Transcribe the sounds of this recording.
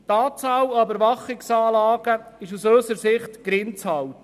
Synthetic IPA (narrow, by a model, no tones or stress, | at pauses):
tɑːt͡sɑːløbəɾvɑχɪksɑːlɑːɡ̥əɪʃusøːsəɾsɪχtɡ̥ɾɪnt͡shɑwt